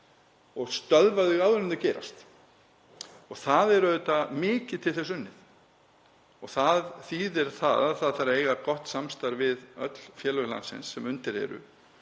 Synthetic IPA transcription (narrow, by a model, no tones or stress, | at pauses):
ɔɣst̪œðvaðɪɣawðʏɾɪnt̪ɪcɛːɾa̰st̪ | ɔɣθaðɛɾœʏt̪amɪːcɪðt̪ʰɪlθɛs̬ʏnːɪθ | ɔɣθaðθiːðɛɾ̥θa̰ðaðθaðθaɾaejɣakɔht̪samst̪aɾvɪðœt̪l̥fjɛːlœla̰nsɪ̰nsːɛmʏnt̪ɪɾ̥hɛ̰ɾʏ̰